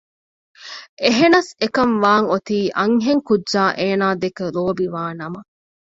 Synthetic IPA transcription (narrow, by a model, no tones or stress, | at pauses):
ʔeɦenɐsekɐnʋaːŋot̪iːʔɐŋɦeŋkudʒaːʔeːnaːd̪ekeɾoːbiʋaːnɐmɐ